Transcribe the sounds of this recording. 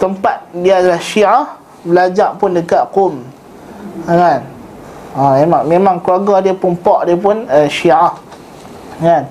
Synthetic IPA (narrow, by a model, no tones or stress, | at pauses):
t̪əmpat̪̚diaadalahʃiah | bəlad͡ʒaʔpʊndəkaʔ̪qom | ŋan | amemaŋmẽmãŋkluaɡɔdiəpunpɔʔdiəp̬unəʃiʔah | ŋan